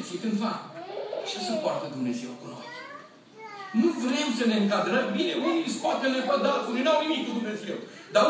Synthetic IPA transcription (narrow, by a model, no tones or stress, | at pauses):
t͡ʃit̪ɨnfa | ʃasəpoart̪əd̪umne̞ze̞wkuɾo̰t̪ | nuvɾe̞msəne̞ɨŋkad̪ɾəmbine̞uniskat̪əlet̪at̪d̪alt̪iuninuawnimik̚t̪ud̪umnezew | d̪a